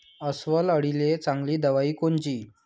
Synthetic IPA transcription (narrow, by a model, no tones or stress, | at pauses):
əsʋələɽilet͡sãŋɡliːd̪əʋaiːkont͡ɕiː